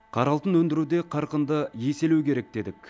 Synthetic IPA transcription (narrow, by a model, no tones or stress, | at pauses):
qʰɑɾɑlˠt̪ənwɵnd̪ɪɾud̪e̞qʰɑɾqənd̪əje̞se̞lukʲʰe̞ɾek̚d̪e̞d̪ɪkʲ